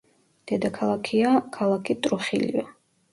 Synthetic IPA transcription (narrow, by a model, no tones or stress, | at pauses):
d̪̥ɛd̪akʰalˠakʰiakʰalˠakʰit̪ʼɾuχilḭva